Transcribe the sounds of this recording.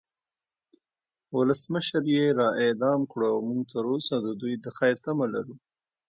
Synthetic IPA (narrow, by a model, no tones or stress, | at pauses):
wʊləsməʃəɾjeɾɑʔed̪ɑmkɽowmuɡt̪əɾosad̪əd̪ujd̪əxajɾt̪amala̰ɾu